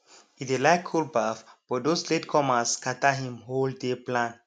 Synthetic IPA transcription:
itelaɪkʰːulbafb̥ɔdosletkʰɔmaskʰataɦĩmɦoldeplãn

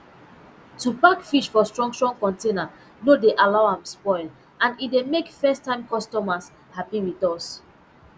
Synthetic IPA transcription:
tupakfiʃfɔstɹɔ̃ŋsɹɔ̃ŋkɔ̃ntena | nodeʔalaʊãmspɔɪl | ãnit̚demekfɛstʰːãɪ̃mkɔstɔmas | hapiwiθɔs

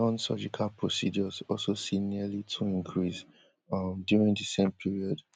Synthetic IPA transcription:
ɔ̃nsɔ̰d͡ʒikʰalpʰɹosḭd͡ʒɔzɔlsosiniəlitʰuĩŋkʰɹis | mdjuɹĩŋdəsẽmpʰiɹiɔd

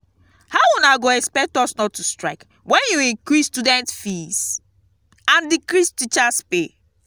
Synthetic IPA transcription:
hawunaɡoɛkspɛk̚tɔsnɔtːustɹaɪk | wɛ̃njuĩŋkɹistudɛ̃ntfis | ãndikɹistit͡ʃaspe

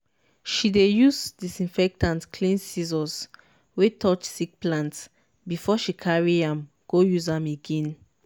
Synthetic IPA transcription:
ʃidejusdisĩnfɛk̚tãntkʰlĩnsizɔ̃ns | wetʰɔt͡ʃsik̚plãnts | bifɔʃikʰaɹiãm | ɡ̥ojuzãmeɡẽn

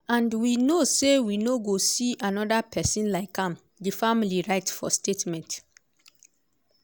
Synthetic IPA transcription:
ãndwinosewinoɡosiʔanɔdapʰɛsĩnlaɪkʰãm | difamiliɹaɪtfɔ̰stetmɛ̃nt

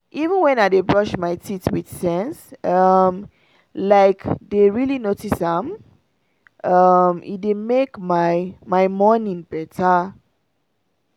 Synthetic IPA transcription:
ʔivə̃nwɛ̃naɪdebɹʌʃmaɪtʰitwid̥sɛ̃nsʌm | laɪkdeɹilinotisãm | ʌmḭdemekmaɪmaɪmɔnĩŋbɛtʰa

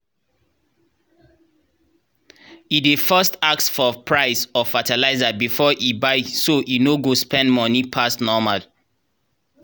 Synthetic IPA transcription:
idefɜstak̚sfɔpʰɹaɪsɔfatalaɪzabifɔʔibaɪsoʔinoɡospʰɛ̃ndmɔnipʰasnɔmal

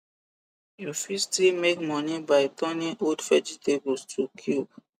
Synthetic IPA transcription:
jofistimekmɔ̃nibajt̪ɔ̃niʔodfɛd͡ʒitebostʰukʰjub

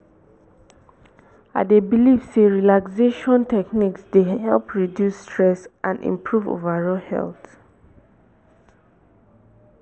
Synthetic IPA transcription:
a̰debilifseɹilakseʃɔ̃ntʰɛkniksdehɛlˠpʰɹidjusːtʰɹɛsʔã̰ndḭ̃mpʰɹuvo̰vaɹɔhɛ̰lˠt

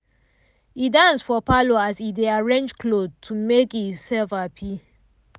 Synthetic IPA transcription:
idãnsfɔpaloasideaɹẽnd͡ʒkʰlod̚tʰumekisɛlfapʰi

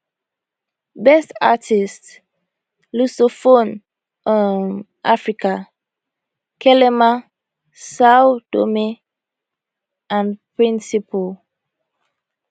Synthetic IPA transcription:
bɛsta̰tʰist | lusofõn | ɔn | ʔafɹika | kʰɛlɛma | sawd̥o̰me | ãnpɹĩnsipo

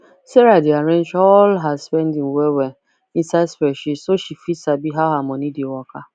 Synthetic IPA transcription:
seɾadiaɾẽnd͡ʒɔlɦazspɛndiŋ̩wewe | in̩saɪdspɛʃisoʃifisabiɦaɦamɔnidiwɔka

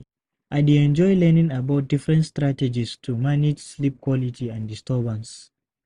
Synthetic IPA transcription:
ʔaɪdeɛ̃nd͡ʒɔjlɛnĩŋabaʊt̚difɹɛ̃ntstɹatɛd͡ʒistʰumanid͡ʒslip̚kʰwɔlitʰiãndistʰɛbə̃ns

